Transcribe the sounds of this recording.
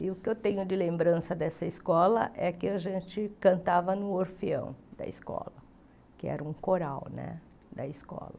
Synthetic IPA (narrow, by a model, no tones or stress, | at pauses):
ɪʊkɪewt̪ẽɲʊd͡ʒɪlẽmbɾɐ̃sɐd̪ɛsɐiskɔlɐ̰ʔɛkɪaʒẽnt͡ʃɪkɐ̃nt̪avɐnʊoɾfiɐ̰̃w̃d̪̥ɐ̰ɪ̰skɔ̰lɐ | kɪɛ̰ɾɐũkoɾawnɛ̰ | d̪ɐ̰iskɔ̰lɐ